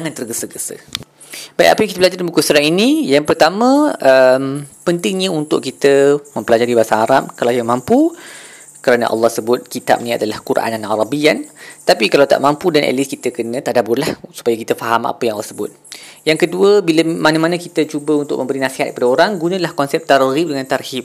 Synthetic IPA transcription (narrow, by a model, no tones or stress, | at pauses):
d͡ʒaŋant̪ərɡəsəɡəsə̰ | baḭʔa̰pəjaŋkit̪əblad͡ʒardinbukusəɾaŋinijaŋpərt̪amə̃əmpənt̪ɪŋɲə̃unt̪ʊʔkit̪əmə̃mpəlad͡ʒaɾibasaɦaɾap̚kalawkiəmãmpu | kəɾanã̰ʔɑ̰lːɑhsəbʊt̪̚kit̪a̰p̚nĩa̰dalahkurʔa̰nanaɾabiant̪apikalawt̪a̰ʔmampudanʔɛ̰liskit̪əkənə̃t̪aʔdabʊrlahsu̥pajakit̪əfaɦama̰pəjaŋɑlːɔ̰səbʊ̰t̪̚jaŋkəduəbiləmanə̃manãkit̪ət͡ʃubəunt̪ʊʔ̚mə̃mbəɾinasiɦat̪̚kəpadaoɾaŋɡunə̃lahkɔnsɛp̚t̪aɾoɣip̚dəŋãnt̪arhip̚